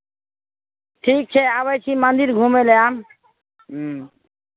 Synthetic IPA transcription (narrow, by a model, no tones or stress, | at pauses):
ʈʰik̚t͡ɕʰeaβajt͡ɕʰimand̪iɾɡʱumeleam